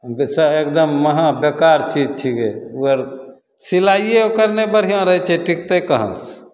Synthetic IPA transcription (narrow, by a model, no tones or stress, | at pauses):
bsəekd̪əmːəɦãbekaɾt͡ʃid͡ʒt͡ʃʰikeuəɾ | silajjeokəɾnebəɾ̤iãɾəɦɛt͡ʃʰɛʈʰikt̪ekəɦə̰̃s